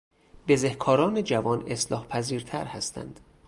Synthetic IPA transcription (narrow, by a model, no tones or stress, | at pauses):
be̞zehkʰɒːɾɒːned͡ʒævɒːne̞slɒ̰ːhpʰæziːɾt̪ʰæɾhæ̰st̪ʰæ̰nd̪̥